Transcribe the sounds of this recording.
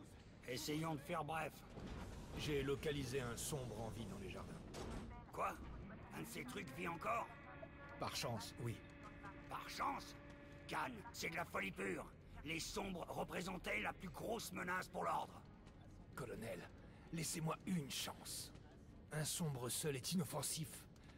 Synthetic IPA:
esejɑ̃d̪əfɛʁbʁɛf | ʒelɔkalizeɛ̃sɔ̃bʁɑ̃vid̪ɑ̃leʒaʁd̪ɛ̰̃kwa | ɛ̃d̪əset̪χykviɑ̃kɔːʁ | paʁʃɑ̃swi | paʁʃɑ̃s | kansɛd̪əlafɔlipyːʁ | lesɔ̃bʁʁəpχezɑ̃t̪ɛlaplyɡʁosmənaspuʁlɔʁd̪ʁ | kɔlɔnɛlː | ɛsemwaynʃɑ̃s | ɛ̃sɔ̃bʁəsœlɛt̪inɔfɑ̃sif

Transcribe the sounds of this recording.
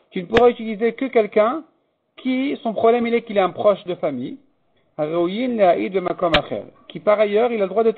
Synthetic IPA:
t̪ynəpuʁayt̪ilizekəkʲɛlkʲɛ̃ | kʲʰisɔ̃pχɔblɛmilɛkilɛɛ̃pχɔʃd̪əfamij | aʁeujinleaʔid̪bemakɔmaχɛ̰ʁkʲipaʁajœʁilaləd̪ʁwad̪ət̪

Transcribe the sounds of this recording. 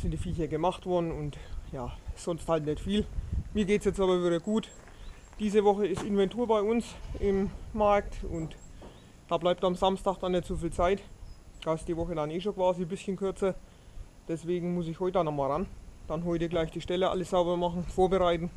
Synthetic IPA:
sɪntd̥iːfiːçɐɡəmaxtv̥ɔɐdn̩ʊntjaːsɔnsthaltnɛtfiːlmiːɐɡeːtsjɛt͡staːbɐvɪɾɐɡuːt | d̥iːzəvɔxəɪstɪnvɛntʰuːɐbaɪʊnsɪmːaɐk̚tʊ̰nt | d̥aːblaɪp̚tamzamstaːxd̥anːɛtt͡sofiːlt͡saɪtd̥aːɪstd̥iːvɔxədaneːʃoːkv̥aːzibɪsçənkʰʏɐt͡sɐ | d̥ɛsv̥eːɡŋ̩mʊs̬ɪçhɔʏtəd̥anːɔxmaːlʁand̥anɦɔʏtəɡlaɪçd̥iːʃtɛləʔa̰ləsz̥aʊbɐmaχn̩foːɐbəʁaɪtn̩

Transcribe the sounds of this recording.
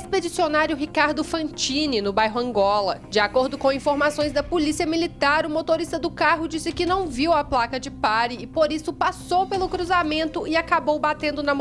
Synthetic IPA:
esped͡ʒisionaɾjʊɦikaɾd̪ʊfɐ̃t͡ʃĩnɪnʊbajɦʊɐ̃ŋɡɔlɐd͡ʒɪakoɾd̪ʊkõĩfoɾmasõj̃zd̪ɐpolisiɐmilit̪aɾʊmot̪oɾist̪ɐd̪ʊkaɦʊd͡ʒisɪkɪnɐ̃w̃viwɐplakɐd͡ʒɪpaɾɪːpoɾisʊpasowpelʊkɾuzamẽnt̪ʊɪakabowbat̪ẽnd̪ʊnɐm

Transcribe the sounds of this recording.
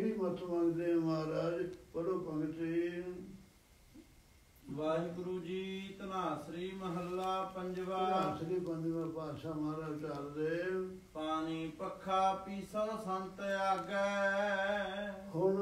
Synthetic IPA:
ɾiːmət̪ʰːʋãnd̪eːəmaːɾaːd͡ʒpəɽoːpəŋɡʈ̪iːn | ʋaːiɡʊɾuːd͡ʒiːt̪ənaːsɾiːməɦəlːaːpəɲd͡ʒʋaːaːsɾiːpə̃ɲd͡ʒʋaːɾpaːʃaːmaːɾaːd͡ʒt͡ʃald̪eː | paːniːpəkʰːaːpiːsənsənt̪eaːɡə | hʊn

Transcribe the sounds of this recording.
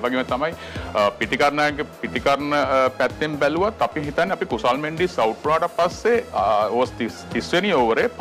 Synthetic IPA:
ʋaɡemɐt̪ɐmɐj | piʈ̪ikɐɾɳaɡepiʈ̪ikɐɾɳəpɛt̪ːembɛluʋat̪ɐpiɦit̪anːeɐpikusalmeɳɖisɐwʈ̚ʰɾuɦaːʈɐpɐsːeost̪it̪isʋenioːʋəɾep

